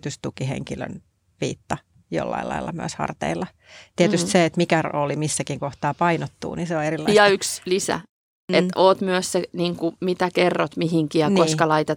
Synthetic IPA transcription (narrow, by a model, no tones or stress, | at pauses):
t̪yst̪t̪ukihḛŋkilø̰n | ʋḭːt̪ːɑ | jo̰lːɑ̰ilɑ̰ilːɑ̰myø̰shɑ̰rt̪ḛilːɑ | t̪iɛt̪yst̪seet̪mikærolimisːækiŋkoht̪ɑːpɑinot̪ːṵːniseoeɾilːɑjɑykslisæ̰ | et̪oːt̪myøsseniːŋkumit̪ækerːot̪miɦiŋkiækoskɑlɑit̪ɑ